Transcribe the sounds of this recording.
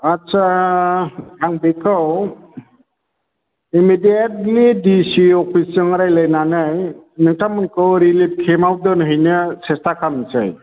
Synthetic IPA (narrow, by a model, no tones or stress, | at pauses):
atsʰa | aŋbekʰɯw | imidiat̚lidisiɔpʰiszɯŋɾajlajnanaj | nɯŋtamɯnkɯwɾilip̚kʰemaw̚dɯnɦɯjnɯsestakʰalɯŋsa̰j